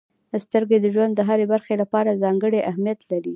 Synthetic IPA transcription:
d̪əst̪əɾɡed̪əʒwand̪ːəɦaɾebaɾxelapɑɾazɑŋɡəɽeʔahmijat̪laɾi

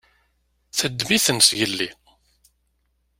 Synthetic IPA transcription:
θəd̪ːviθənsjəlːi

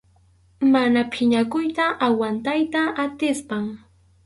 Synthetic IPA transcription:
manapʰɪɲakʊjt̪aʔawant̪ajt̪aʔat̪ɪspaŋ

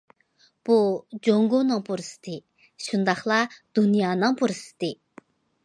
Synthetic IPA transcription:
pod͡ʑoŋɡonaŋporst̪e | ɕʰənd̪aχlad̪unijanaŋporəst̪e

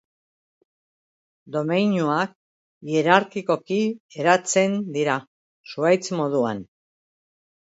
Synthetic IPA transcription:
d̪o̞mejɲuak̚ | ie̞ɾaɾkiko̞kie̞ɾat͡se̞nd̪iɾa | suajt͡smo̞ð̞ua̰n

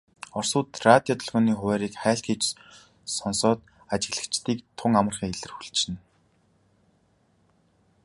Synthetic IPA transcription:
ɔrsʊːt̪rat̪ʲjɔt̪ʰɵ̆ɮʁɔːniːχʊwæːɾiːkχæːɬxiːt͡ɕ | sɔnsɔːt̪̚ | at͡ɕɪ̆ɣɮə̆kt͡ɕt̪iːkt̪ʰʊŋamə̆rχiːŋeɮɘ̆rxu̥ɮt͡ɕɘ̆n

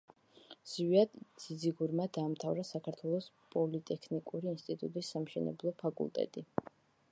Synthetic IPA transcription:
z̥viad̪z̥id̪ziɡuɾmad̪aːmt̪ʰavɾasakʰaɾt̪ʰwɛlˠɔspʼɔlit̪ʼɛkʰnikʼuɾiːnst̪ʼit̪ʼut̪ʼisːamʃɛnɛ̰blˠɔpʰakʼṵlˠt̪ʼɛ̰t̪ʼi

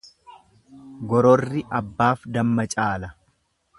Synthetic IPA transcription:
ɡɔɾɔrːɪʔɐbːaːfd̪ɐmːɐt͡ʃʼaːlɐ

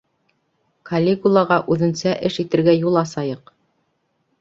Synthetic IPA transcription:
kʰɐlʲːekulˠɑʁɑʔʉðɘ̆nsæʔɘʃit̪ɘ̆ɾɡæjulˠɑsɑjɤq

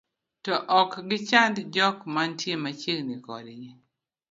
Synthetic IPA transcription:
tɔʔɔkɡɪt͡ʃandd͡ʒɔkmantjemat͡ʃeɡnikɔ̰dɪɲe

